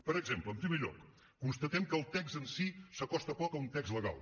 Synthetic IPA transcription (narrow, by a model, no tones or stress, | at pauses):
pəɾəɡzempləːmpɾimeʎɔ̰kː | unst̪ət̪ɛmkəːlˠt̪ɛkzənsisəkɔst̪əpɔkəunt̪ɛkzləɣa̰lˠ